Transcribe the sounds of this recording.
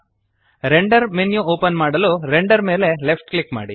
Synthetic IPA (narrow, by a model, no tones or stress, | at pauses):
ɾeɳɖɐɾmenjuoːpɐnmaːɽɐluɾeɳɖɐɾme̞ːle̞lepʰʈklikma̰ːɽi